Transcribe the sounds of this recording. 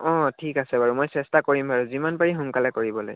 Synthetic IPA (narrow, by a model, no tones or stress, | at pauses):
ɔ̃tʰikasɛbaɹumojsɛstakoɹimaɹuzimanpaɹiɦuŋkalɛkoɹibɔlo̰j